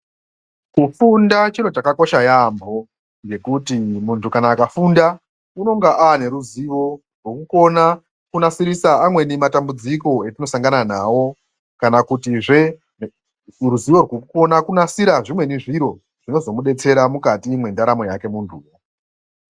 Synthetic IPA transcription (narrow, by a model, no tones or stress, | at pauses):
kufundat͡ʃiɾo̞t͡ʃakako̞ʃajambo̞ | ɡe̞kutimuntʰukanaːkafunda | uno̞ŋɡaʔane̞ɾuziʋo̞ | rwokuko̞na | kunasiɾisaːmwe̞nimatambud͡ziko̞etino̞saŋɡananawo̞ | kanakutiʐe | ruziʋo̞rwokuko̞nakunasiɾaʐimwe̞niʐiɾo̞ | ʐ̥ino̞zo̞muɗe̞t͡se̞ɾamukatimwe̞ndaɾamo̞jake̞mundʱuːʋo